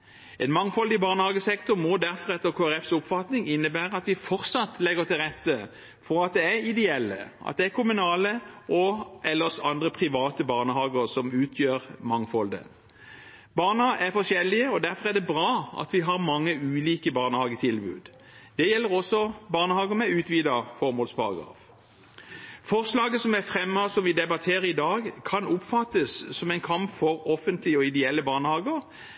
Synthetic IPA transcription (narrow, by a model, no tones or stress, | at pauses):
ɛnmɑŋfɔld̪ɪbɑʁnəhɑːɡəsɛkt̪ʊʁmɔd̪æʁfɔʁɛt̪ːəʁkʰoːæʁɛfsʊpfɑt̪nɪŋɪnːəbæːɾʁəɑt̪ʋɪfɔʁsɑt̪ːlɛɡəʁt̪ɪlʁɛt̪ːə | fɔɾɑt̪̚d̪ɛæɾɪd̪ɛɛlːə̰ʔɑ̰t̪̚d̪ɛækʰʊmʉnɑːləʔɔʔɛlːəʁsɑnd̪ʁəpʰʁɪʋɑːt̪əbɑːʁnəhɑːɡəʁsɔmʉːt̪ʰjøːʁmɑŋfɔld̪ə̰ | bɑːʁnɑæʁfɔʂɛlːɪəɔd̪æʁfɔʁæɐd̪ɛbʁɑːʔɑ̰t̪ʋɪɦɑʁmɑŋːəʉːliːkəbɑːʁnəhɑːɡət̪ʰɪlbʉ̰ːd̪ | d̪̥ɛjɛlːəʁɔsːɔbɑːʁnəhɑːɡəmɛʉːt̪ʋiːd̪ɑfɔɾmoːlspʰɑʁɑ̰ɡɑ̰ːf | fɔʁslɑːɡəsɔmæfʁɛmːɑsɔmʋɪd̪ɛbɑt̪ʰeːɾəɾɪd̪ɑːɡkʰɑnʊpfɑt̪ːəsːɔmɛɪnkʰɑmpfɔʁɔfənt̪lɪəɔɪd̪ɛɛlːəbɑːʁnəhɑːɡəʁ